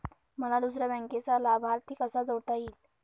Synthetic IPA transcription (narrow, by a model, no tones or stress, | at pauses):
məlad̪usɾabɛ̃ŋket͡salabʱaɾt̪ʰiːkəsad͡zəwʈ̪aiːl